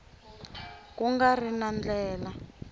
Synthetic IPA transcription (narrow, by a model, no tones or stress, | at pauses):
k̬uŋɡarinand͡ɮɛːla